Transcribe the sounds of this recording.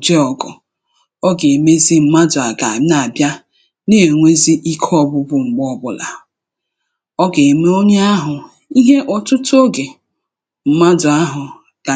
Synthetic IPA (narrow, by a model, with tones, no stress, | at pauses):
d͡ʒe˦ɔ˨ɡɔ˨ | ɔ˦ɡe˨me˦zi˦m̩˦ma˦dʊ˨a˨ɡa˨˦a˨bja˦ | ne˦e˨ŋʷe˦zi˦ʔi˦kʰɔ˦˨bʊ˦bʊ˨ŋ͡m̩˨ɡ͡bɔ˦bʊ˦la̰˨ | ɔ˦ɡe˨me˦o˦ɲe˦a˦ɦʊ˨ | i˦ɦe˦ʔɔ˨tʊ˦tʊ˦o˦ɡe˨ | m̩˦ma˦dʊ˨a˦ɦʊ˨ | ɡ̥a˨